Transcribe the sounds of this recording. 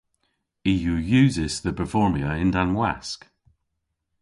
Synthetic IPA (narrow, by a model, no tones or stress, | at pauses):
ijujʉːzɪz̥ðəpʰəfɔːmiəɪ̃ndãnwɛ̰sk